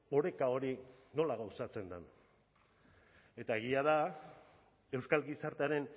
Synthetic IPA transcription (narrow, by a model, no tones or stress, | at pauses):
o̞ɾe̞kao̞ɾino̞laɣawsat͡se̞nd̪an | e̞t̪ae̞ɣiaða | e̞wskalɣisaɾt̪eaɾe̞n